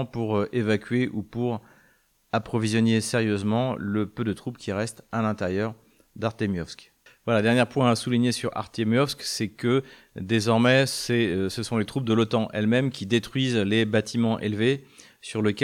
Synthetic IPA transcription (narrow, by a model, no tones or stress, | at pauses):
puʁøʔevakʲɥeʔupuʁ | apχɔvizjɔneseʁjøzmɑ̃ləpød̪ət̪χupkʲiʁɛst̪alɛ̃t̪eʁjœʁ | d̪aʁt̪emjɔfsk | vwalad̪ɛʁnjɛʁpwɛ̃asuliɲesyʁa̰ʁt̪emjɔsksɛkə | d̪ezɔʁmɛsɛøsəsɔ̃let̪χup̚d̪əlɔt̪ɑ̃ʔɛlmɛmkʲʰid̪et̪χɥizlebat̪ʰimɑ̃ʔḛlve | syʁləkʲ